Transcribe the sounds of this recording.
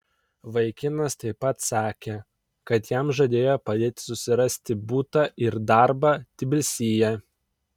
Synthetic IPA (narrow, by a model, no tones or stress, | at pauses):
ʋɐɪkʲɪnɐst̪ɐɪpːɐt̪sɑːkʲe | kɐt̪jæmʒɐd̪ʲeːjopɐd̪ʲeːt̪ʲɪ̥sʊsʲɪɾɐsʲt̪ʲɪbuːt̪ɑʔɪɾd̪ɑˑɾbɑːt̪ʲɪbʲɪlʲsʲiːjɛ